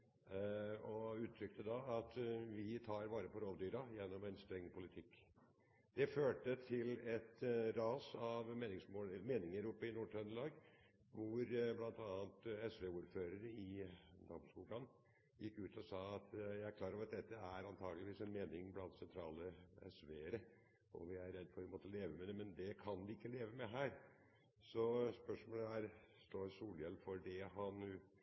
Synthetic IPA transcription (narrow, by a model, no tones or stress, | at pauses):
ɔʉːt̪ʰːɾʏkt̪ʰəd̪ɑɑt̪ʋɪt̪ʰɑːɾʋɑːɾəpʰɔɾɔld̪yːɾɑjɛnːɔmɛnst̪ɾɛŋːpʰʊlɪt̪ʰɪkː | d̪̥ɛføːʈət̪ʰɪlɛt̪ɾɑːsɑʋmeːnɪŋsmoːmeːnɪŋəɾʊpːəɪnuːʈʰɾœnlɑːɡ | ʋʊɾblɑnt̪ʰɑːɑnt̪ɛsʋeuːɾføːɾəɾəɪd̪ɔmskuːɡ̪ɑn | jɪkːʉːt̪ʰɔsɑːɑt̪jæɪæɾkʰlɑːɾɑʋɑt̪̚d̪ɛt̪ːəæɾɑnt̪ʰɑːɡəlɪʋiːsɛnmeːnɪŋblɑnt̪sɛnt̪ʰɾɑːləɛ̰sʋeːɾə | ʔɔ̰ʋɪæɾɾɛd̪ːfɔɾɛɪmɔt̪ːəleːʋəmɛd̪ɛmɛnd̪ɛkʰɑnʋɪɪkːəleːʋəmɛɦæːɾ | sɔspœʂmoːləæːɾst̪oːɾsuːljɛlːfɔɾɖɛɦɑn